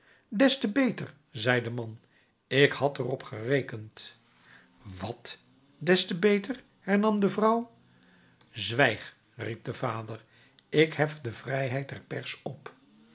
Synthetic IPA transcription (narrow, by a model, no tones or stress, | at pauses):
dɛstəbejtər | zɛjdəmɑn | ɪkhɑtərɔpχərejkənt | ʋɑt | dɛstəbejtəɹ | hɛɹnɑmdəvrʌw | zʋɛjχ | rip̚dəvaːdəɹ | ɪkɦɛfdəvrɛjɦɛjt̚dɛɹpɛɹsɔp